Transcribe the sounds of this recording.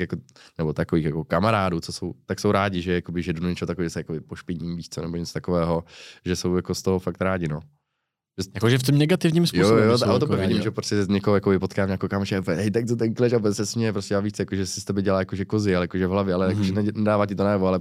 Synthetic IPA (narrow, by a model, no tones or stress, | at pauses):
jakonɛbot̪akoviːxjakokamaɾaːduːt͡sosowt̪aksowɾaːɟɪʒɛjakobɪʒɛdunuɲɛt͡ʃɛɦot̪akvɛːʒɛsɛjakobɪpoʃpɪɲiːmviːʃt͡sonɛboɲɛt͡so̥t̪akovɛːɦoʒɛso̞wjakost̪oɦofak̚t̪ɾaːɟɪno | ʒɛjakoʒɛft̪omnɛɡat̪ɪvɲiːmspjuojot̪ʔaot̪oɛvɪɟɪmʒɛpɾoscɛɲɛkoɦojakobɪpot̪kaːmɲakowkaːmaʃɛpɦɛjt̪ak̚t̪ot̪ɛŋklɛʃapɛsɛsmɲɛjɛpɾoscɛjaːviʃt͡sɛjakoʒɛsɪst̪ɛbɪɟɛlaːjakoʒɛkozɪalɛjakoʒɛvɦlavjɛalɛjakoʒɛnnɛdaːvaːcɪt̪onajɛvoalɛ